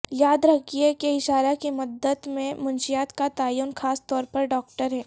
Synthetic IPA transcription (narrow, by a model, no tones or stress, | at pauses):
jaːd̪ɾɐkʰiekeɪʃaːɾakimʊd̪ːəd̪mẽmʊnʃijaːt̪kat̪aːjuːnxaːst̪ɔːɾpɐɾɖɔːk̚ʈəɾɦɛː